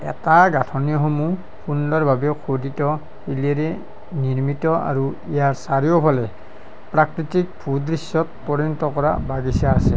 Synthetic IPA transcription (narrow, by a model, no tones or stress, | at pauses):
ɛ̰taɡatʰɔnijɔxomu | pʰundɔɹbʱabɛkʰoditɔ | hiliɛɾɛ | niɹmitɔa̰ɹu | ijaɹsaɹiopʰalɛ | pɹakɹitik̚pʰudɹisːɔt̚pɔɹinɔtɔkɔɹa̰baɡisaːsɛ̰